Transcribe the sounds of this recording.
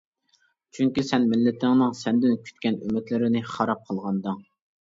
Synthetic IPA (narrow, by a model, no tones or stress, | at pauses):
t͡ʃʰyŋkʲisɛnmɪlːɪt̪ʰɪŋnɨŋsɛnd̪ɪnkʲʰy̥t̪̚kʲɛnymːɪt̪lɪɾɪnɪχɑɾɑp̚qʰəlˠʁɑnd̪ɨŋ